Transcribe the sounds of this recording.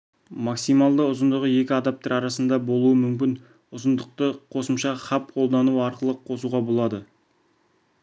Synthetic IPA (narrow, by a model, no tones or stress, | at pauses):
mɑksijmɑlˠd̪əʊzənd̪əʁəje̞kʲɪɑd̪ɑp̚t̪eɾɑɾɑsənd̪ɑbo̞lˠuəmʏmkʲɪn | ʊzənd̪əq̚t̪əqʰo̞səmʃɑχɑp̚qʰo̞lˠd̪ɑnuəɑɾqəlˠəqʰo̞suʁɑbo̞lˠɑd̪ə